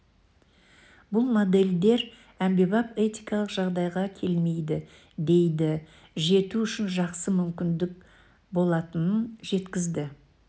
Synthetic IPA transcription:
bʊlˠmo̞d̪e̞ld̪e̞ɾ | æmbe̞bɑpe̞t̪ijkɑlˠəqʒɑʁd̪ɑjʁɑkʲʰe̞lme̞jd̪ɪ | d̪e̞jd̪ɪ | ʒe̞t̪uʏʃɪnʒɑqsəmʏmkʲɪnd̪ɪk̚ | bo̞lˠɑt̪ənənʒe̞t̪kʲɪzd̪ɪ

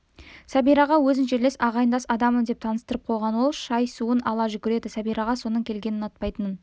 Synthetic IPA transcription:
sæbijɾɑʁɑwɵzɪnʃeɾle̞sɑʁɑjənd̪ɑsɑd̪ɑmənd̪e̞p̚t̪ʰɑnəst̪əɾəp̚qʰo̞jʁɑnwo̞lˠʃɑjsuənɑlˠɑʒʏkʲɪɾe̞d̪ɪsæbijɾɑʁɑso̞nəɴkʲʰe̞lɡʲe̞nɪnɑt̪̚pɑjt̪ənn

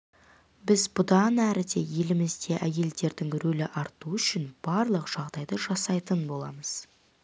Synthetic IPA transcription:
bɪzbʊd̪ɑnæɾɪd̪e̞je̞lɪmɪzd̪e̞ʔæje̞ld̪e̞ɾd̪ɪŋɾɵlɪʔɑɾt̪uʏʃɪnb̥ɑɾlˠəqʒ̥ɑʁd̪ɑjd̪əʒɑsɑjt̪ənbo̞lˠɑ̰məz̥

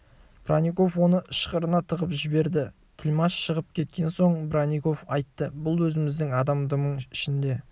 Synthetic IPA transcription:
b̥raniko̞fwo̞nəʃqəɾənɑt̪ʰəʁəpʒɪbe̞ɾd̪ɪ | t̪ʰɪlʲmɑʃʃəʁəp̚kʲʰe̞t̪kʲe̞nso̞ɴbraniko̞fɑjt̪ːəbʊlˠwɵzɪmɪzd̪ɪŋɑd̪ɑmd̪əməɴɪʃɪnd̪e̞

